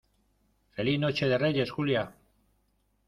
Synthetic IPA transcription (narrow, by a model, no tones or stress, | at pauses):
fe̞lino̞t͡ʃe̞ð̞e̞re̞je̞sxulja